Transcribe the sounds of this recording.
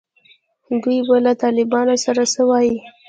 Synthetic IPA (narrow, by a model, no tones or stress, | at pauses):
ɡ̪ujbalat̪ɑlɪbɑnosaɾasəwɑji